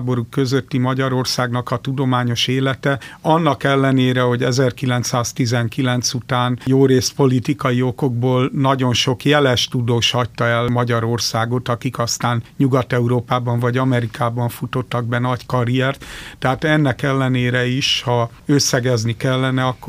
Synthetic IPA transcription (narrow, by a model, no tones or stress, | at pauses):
bo̞ɾukːø̞zøt̪ːimɒɟɒɾo̞rsaːɡnɒkɒt̪ud̪o̞maːɲo̞ʃeːlɛt̪ɛɒnːɒkɛlːɛneːɾɛɦo̞ɟɛzɛrkilɛnt̪saːst̪izɛŋkilɛnt̪sut̪aːnjoːɾeːspo̞lit̪ikɒjio̞ko̞ɡ̚boːlnɒɟo̞nʃo̞kjɛlɛʃt̪ud̪oːʃhɒct̪ɒɛlmɒɟɒɾo̞rsaːɡo̞t̪ɒkikɒst̪aːnɲuɡɒt̪ɛuɾoːpaːbɒɱvɒɟɒmɛɾikʰaːbɒɱfut̪o̞t̪ːɒɡ̚bɛnɒckɒɾiɛrt̪t̪ːɛɦaːt̪ɛnːɛkɛlːɛneːɾɛiʃhɒ | øsːɛɡɛznikɛlːɛnɛɒkːo